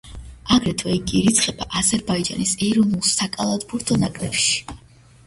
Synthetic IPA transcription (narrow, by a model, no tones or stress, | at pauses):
aɡɾɛt̪ʰvɛikʼiɾit̪sʰχɛbaʔazɛɾbaid͡ʒa̰nisɛɾɔnulˠsakʼalˠad̪buɾt̪ʰɔnakʼlɛpʃi̥